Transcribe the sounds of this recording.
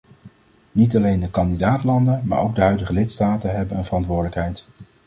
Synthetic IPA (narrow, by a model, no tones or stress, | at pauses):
nit̬ɑlejndəkɑndidaːtlɑndənma̰ːɹowɡ̚dəɦœɥdəχəlɪtstaːtənɦɛbənənvərɑntʋʊːɹdələkɦɛjt